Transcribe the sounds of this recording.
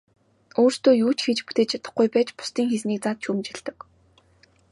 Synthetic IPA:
oːr̥st̪oːjuːt͡ɕxet͡ɕput̪eːt͡ɕʰat̪ə̆χɡujpæːt͡ɕpʊ̥st̪iːŋxesniːk̚t͡saːt̪̚t͡ɕʰuːmt͡ɕɪ̆ɮt̪ɘ̆k

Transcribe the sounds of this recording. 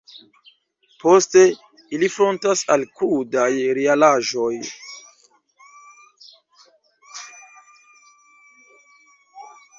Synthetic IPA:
po̞ste̞ | ilifɾo̞ntasalkudajɾealaʒo̞j

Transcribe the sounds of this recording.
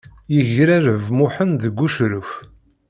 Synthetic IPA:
jəʝɾæɾəvmʊħənðəɡːuʃɾʊf

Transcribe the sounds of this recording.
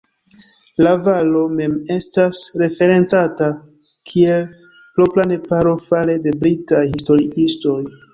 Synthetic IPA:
lavalo̞me̞me̞stasɾe̞fe̞ɾe̞nt͡sata | kʰie̞l | pɾoplane̞paɾo̞fale̞de̞bɾitajhisto̞ɾiisto̞j

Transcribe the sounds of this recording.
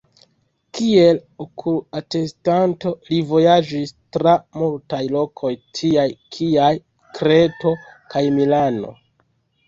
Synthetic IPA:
kie̞lokʰuate̞stanto̞livo̞jad͡ʒistɾamultajlo̞kʰo̞jtʰiajkʰiaj | kɾe̞to̞kajmilano̞̰

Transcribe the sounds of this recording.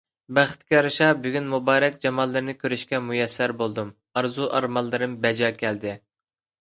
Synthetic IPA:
bæχt̪kʲiɾɨʃɑbyɡʲynmubɑːɾɛkʲd͡ʒɑmɑlˠːɨɾɨnɨkʲøɾyʃkʲɛmujɛsːæɾbolˠd̪um | ɑɾzuʔɑɾmɑlˠːɨɾɨmbɛd͡ʒɑːkʲʰɛld̪ɪ

